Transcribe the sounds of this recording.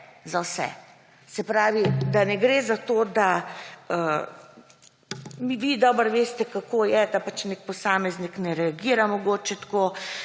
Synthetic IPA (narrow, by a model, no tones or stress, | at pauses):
zawsɛ̰ | sɛpɾaːʋid̪anɛɡɾeːzat̪oːd̪aə | miʋid̪ɔːbəɾʋeːst̪ɛkakoːjɛd̪apat͡ʃnek̚pɔsaːmɛzniknɛɾɛaɡiːɾamɔɡoːt͡ʃɛt̪koː